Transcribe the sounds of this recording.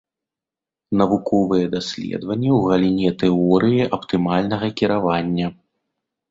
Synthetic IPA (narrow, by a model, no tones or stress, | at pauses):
nɐvukɔvɨjɛd̪asʲlʲɛ̰d̪vɐnʲːɛwɣɐlʲinʲɛt̪ɛɔɾɨjiʔɐpt̪ɨmalʲnɐɣɐkʲiɾavanʲːɐ